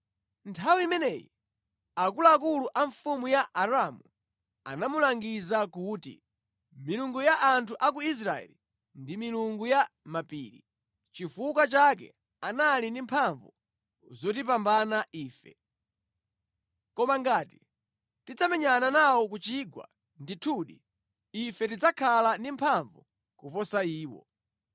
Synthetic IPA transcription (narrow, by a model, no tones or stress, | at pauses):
ntʰawiimɛnɛjḭ | akulaːkuluʔaɱfumujaʔaɾamu | a̰namulaŋɡizakuːtḭ | miluŋɡujaʔːntʰuʔak̬uis̬ɾaɛ̰li | ndimiluŋɡujamapḭːɾḭ | t͡ʃifuk̬at͡ʃak̬ɛ̰ | analindimpʰaɱvu | zɔtip̬ambanaʔiːfɛ̰ | kɔmaŋɡaːti | tid͡zamɛɲananawɔk̬ut͡ʃiɡwa̰ | nditʰuɗi | ifɛtid͡zakʰalandimpʰaɱvu | kupɔsaiːwɔ̰